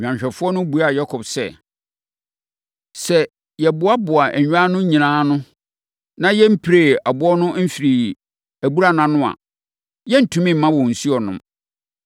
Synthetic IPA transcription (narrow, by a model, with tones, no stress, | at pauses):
ɲᶣ˨ã˨ɲɕᶣɛ˨fʊ˦ɔ˦nʊ̃˦bu˨a˦˨ja˦kʰɔ˨bsɛ̰˨ | sɛ˨ | jɛ˨bʊ˨˦a˦bʊ˨a˨ʔæ̰˨ɲᶣ˦a˦nʊ̃˦ɲĩ˨nãː˦nʊ̃˦ | nã˦jɛ˦m̩˦pʰɾe˨a˨bʊ˦ɔ˦nʊ̃˦m̩˦fi˨ɾi˨ | æ˨bu˦ɾa˦nã˨nʊ̃˦a̰˨ | jɛ˦n̩˦˨tʰũ˦mĩ˦m̩˨mã˦wɔ̃˨n̩˨su˦ɔ˨nʊ̰̃˦m